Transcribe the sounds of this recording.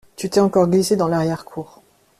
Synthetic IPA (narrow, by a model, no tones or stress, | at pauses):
t̪yt̪ɛɑ̃kɔʁɡlised̪ɑ̃laʁjɛʁkʰuːʁ